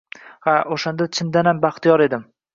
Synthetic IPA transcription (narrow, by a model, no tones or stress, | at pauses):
haʔoʃand̪at͡ʃʰɪnd̪anambaχt̪ijɒɾe̞d̪ɪm